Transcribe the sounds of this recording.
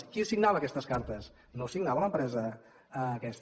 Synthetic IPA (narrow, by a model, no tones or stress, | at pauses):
kisiɡnaβəkɛst̪əskaɾt̪əs | nosiɡnaβələmpɾɛzəː | kɛst̪